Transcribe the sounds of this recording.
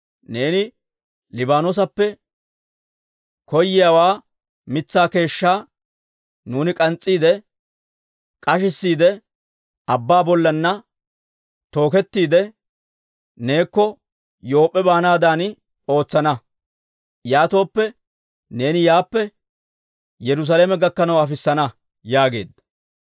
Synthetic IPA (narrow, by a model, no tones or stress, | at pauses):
ne̞ːnɪ | lɪbaːnos̬ɐpːɛ | kɔjːɪjaːwaː | mɪt͡sːaːke̞ːʃːaː | nuːnɪkʼɐnt͡sʼːiːd̪ɛ | kʼɐʃɪsːiːd̪ɛ | ɐbːaːbɔlːɐnːɐ | t̪o̞ːkɛt̪ːiːd̪ɛ | ne̞ːkːɔ | jo̞ːpʼːɛbaːnaːd̪aːnɪ | o̞ːt͡sːɐnɐ | jaːt̪o̞ːpːɛ | ne̞ːnɪjaːpːɛ | jɛɾʊs̬aːleːmɛɡɐkːɐnɐwɐfɪsːɐnɐ | jaːɡe̞̰ːd̪ɐ